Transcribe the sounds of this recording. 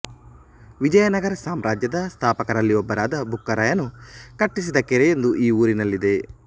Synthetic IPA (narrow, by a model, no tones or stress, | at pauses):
ʋid͡ʒɐjɐnɐɡɐɾɐsaːmɾaːd͡ʒjɐd̪ɐst̪ʰaːpɐkɐɾɐlːiɔbːɐɾaːd̪ɐbʱukːɐɾaːjɐnukɐʈːis̬id̪ɐkeɾejend̪uʔiːuːɾinɐlːid̪e̞